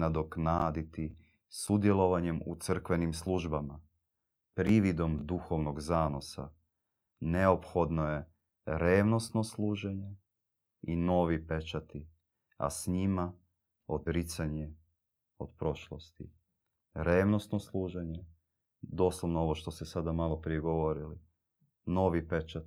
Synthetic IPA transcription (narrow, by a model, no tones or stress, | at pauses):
nad̪oknaːd̪it̪i | sud̪je̞lˠoʋaɲemṵt̪sr̩kʋe̞nimslˠuʒbama | pɾiʋid̪o̞md̪uxo̞ʋnoɡzaːno̞sa̰ | neo̞pxo̞d̪noje̞ | ɾeːʋno̞st̪no̞slˠuːʒeɲe | ino̞ʋipe̞t͡ʃat̪i | a̰sɲima | o̞d̪ɾit̪saɲe | o̞d̪pɾo̞ʃlˠost̪ḭ | ɾeːʋno̞st̪no̞slˠuːʒeɲe | d̪o̞ːslˠoʋnoo̞ʋoʃt̪o̞sesad̪amalˠopɾijeɡoʋo̞ɾili | no̞ʋipe̞t͡ʃa